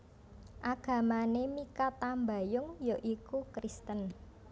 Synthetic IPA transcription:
ʔaɡ̥a̤manemikat̪ambajʊŋjoʔikukɾist̪ən

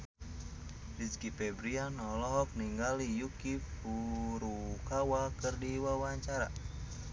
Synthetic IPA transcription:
biskipɛbɾianɔlɔɦɔk̚niŋɡalijukifuɾukawakɨrdiwawaɲt͡ʃaɾa̰

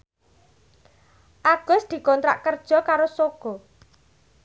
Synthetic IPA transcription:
ʔaɡ̥ɔ̤sd̪̥i̤kɔnt̪ɾa̰ʔkərd̥ʒ̥ɔ̤kaɾosoɡ̥ɔ̤

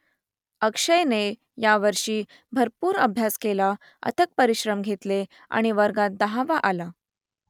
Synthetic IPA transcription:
əkʂəjne | jaʋəɾʂiː | bʱəɾpuːɾəbʱjaskela | ə̰t̪ʰək̚pəɾiɕɾəmɡʱet̪le | a̰ɽ̃iʋəɾɡat̪̚d̪əɦaʋaʔala

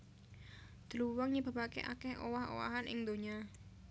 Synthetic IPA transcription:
d̪̥əluwɔŋɲib̥a̤pakḛʔa̰kɛhʔo̰waɦo̰wa̰ɦanʔɪŋd̪oɲa

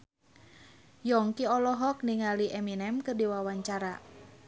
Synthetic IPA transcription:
jɔŋkiɔlɔɦɔk̚niŋaliʔɛminɛmkɨrdiwawaɲt͡ʃaɾa

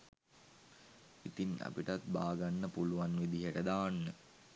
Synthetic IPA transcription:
it̪ina̰piʈat̪ba̰ːɡanːəpuluʋanʋed̪iɦəʈəd̪aːnːə

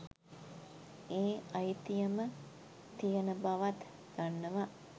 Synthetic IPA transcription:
eːajt̪ijəmə | t̪ijənəbaʋat̪ | ɡ̥anːəʋa

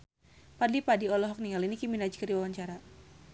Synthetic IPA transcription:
padipadiɔlɔɦɔk̚niŋalinikiminad͡ʒkərdiwawaɲt͡ʃaɾa

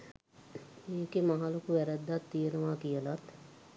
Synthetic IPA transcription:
eːkemɐɦalokuʋɛɾɛd̪ːat̪ːijənəʋaːkijəlat̪

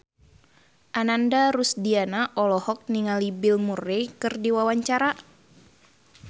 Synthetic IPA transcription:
ʔanandaɾusdianaʔɔlɔhɔk̚niŋalibilmurɛkɨrdiwawaɲt͡ʃaɾa

